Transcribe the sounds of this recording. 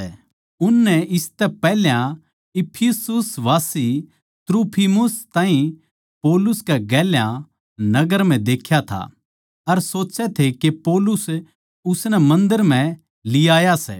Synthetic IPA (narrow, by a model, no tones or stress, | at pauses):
ʊnːɛɪst̪ɛpɛːljã | ɪpʰɪsʊsʋaːsi | t̪ɾuːpʰimʊst̪ãːĩ | poːlʊskɛɡɛːljã | nɐɡəɾm̤ɛ̃d̪eːkʰjat̪ʰa̰ | ɐɾsoːt͡ʃɛt̪ʰekepoːlʊs | ʊsnɛmɐ̃nd̪əɾm̤ɛ̃ | lɪjaːjasɛ̰ː